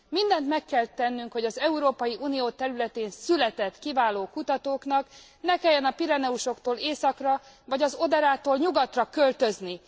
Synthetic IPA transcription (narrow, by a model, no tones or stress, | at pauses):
mind̪ɛnt̪mɛkːɛlt̪ɛnːyŋkho̞ɟɒzɛuɾoːpɒjiʔuːnijoːt̪ɛɾylɛt̪eːnsylɛt̪ɛt̪kivaːloːkut̪ɒt̪oːknɒk | nɛkɛjːɛnɒpiɾɛnɛuʃo̞kt̪oːleːsɒkrɒ | vɒɟɒzo̞d̪ɛɾaːt̪oːlɲuɡɒt̪rɒkølt̪ø̞zni